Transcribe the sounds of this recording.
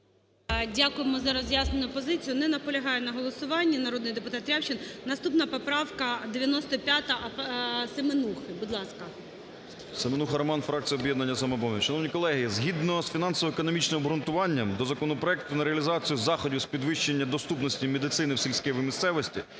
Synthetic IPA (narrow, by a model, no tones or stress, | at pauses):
dʲakʊjemɔzɐɾɔzʲjasnenʊpɔzɪt͡sʲijʊnɛnɐpɔlʲɐɦɑjɛnɐɦɔlˠɔsʊʋɑnʲːɐnɐɾɔd̪nɪjd̪epʊt̪ɑt̪ːɾʲawt͡ʃɪnnɐst̪upnɐpɔpɾɑwkɐd̪eʋʲjɐnɔst̪ɔpʲjat̪ɐʔɐsemenuxɪbud̪lˠɑskɐ | semenuxɐɾɐmɑnfɾɑk̚t͡sʲijɔbʲjɛd̪nɐnʲːɐsɐmɛbɔmʲɛʃɐnɔwnʲikɔlˠɛɦizɦʲid̪nɔsfʲinɑnsɔʋɔekɔnɔmʲit͡ʃnɪmbɾʊnt̪ʊʋɑnʲːɐmd̪ɔzɐkɔnɔpɾɔɛk̚t̪ʊnɐɾeɐlʲizɑt͡sʲijʊzɑxɔdʲɪspʲid̪ʋɪʃt͡ʃenʲːɐd̪ɔst̪upnɔsʲtʲimʲed̪ɪt̪sɪnɪwsʲilʲsʲkɛʋimʲist̪sɛʋɔsʲtʲḭ